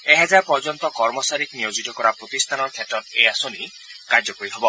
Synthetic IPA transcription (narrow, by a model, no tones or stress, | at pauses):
eɦad͡ʒaɾpɔɾd͡ʒɔnt̪ɔkɔɾmɔsaɾikniod͡ʒit̪ɔkɔɾapɾot̪ist̪ʰanɔɾkʰet̪ɔɾeasoni | kaɾd͡ʒɔkɔɾiɦɔbɔ